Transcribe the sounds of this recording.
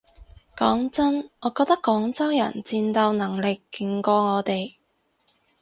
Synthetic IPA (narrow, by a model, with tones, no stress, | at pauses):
kɔː˨˥ŋt͡sɐ˥nŋɔː˨˧kɔː˧k̚t̪ɐ˥kːɔː˨˥ŋt͡sɐ˥wjɐ̰˨˩nt͡siː˧nt̪ɐ˨˧wnɐ˨˩ŋlɪ˨kːɪ˨˧ŋkɔː˧ŋɔː˨˧t̪e˨j